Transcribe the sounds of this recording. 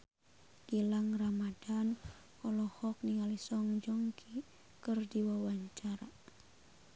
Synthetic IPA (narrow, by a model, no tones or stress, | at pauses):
ɡ̥ilaŋramadan | kɔlɔhɔk̚niŋalisɔŋd͡ʒɔŋkʰi | kərdiwawaɲt͡ʃaɾa